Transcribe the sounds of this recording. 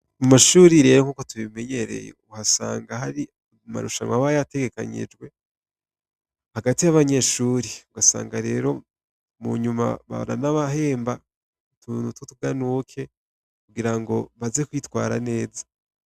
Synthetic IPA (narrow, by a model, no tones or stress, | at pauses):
mumaʃuːɾiɾe̞ːɾokuːkotuβime̞ɲe̞ɾḛjḛuhasa̰ːŋɡahaɾi | ma̰ɾṵʃa̰nwaβajate̞ɡe̞ka̰ɲḭd͡ʒɡwe̞ | haɡatijaβaɲe̞ʃuːɾiuɡasa̰ːŋɡaɾe̞ːɾo̞ | mṵɲuma̰βa̰β̰na̰naβaɦe̞ːmba | tunutotuɡanukʰe̞ | kuɡiɾaŋɡo̞βazekwiːtwa̰ːɾa̰ne̞ːzḁ